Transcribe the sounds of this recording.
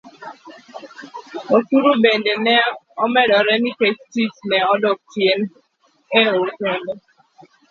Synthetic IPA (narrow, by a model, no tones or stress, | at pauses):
otuɾubendenɛɔmɛdɔɾɛnikestitnɛɔdɔtjen | eotɛndɔ